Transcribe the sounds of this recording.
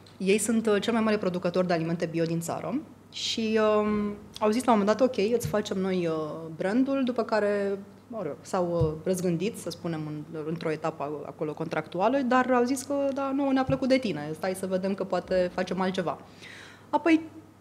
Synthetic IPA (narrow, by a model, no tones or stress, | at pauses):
je̞jsunt̪t͡ʃe̞lmajmaɾepɾo̞d̪ukət̪o̞rd̪ealime̞nt̪e̞bio̞d̪int̪sa̰ɾə̰ | ʃiəawzislawmomend̪at̪o̞kʲe̞jɨt̪sʲfat͡ʃe̞mno̞jəbɾənd̪uld̪upəkaɾe̞ | oɾosawərəzɡɨnd̪it̪səspune̞mɨnɨnt̪ɾo̞e̞t̪apəa̰ko̞lo̞ko̞nt̪ɾʔakt̪ualəd̪arawziskəd̪anuoneapləkut̪̚d̪e̞t̪ine̞st̪ajsəve̞d̪e̞mkəpoat̪e̞fat͡ʃe̞malt̪t͡ʃe̞va̰ | apo̞j